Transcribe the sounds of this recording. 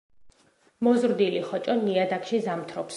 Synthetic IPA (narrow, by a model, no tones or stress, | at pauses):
mɔzɾd̪iliχɔt͡ʃʼɔniad̪akʃizamt̪ʰɾɔps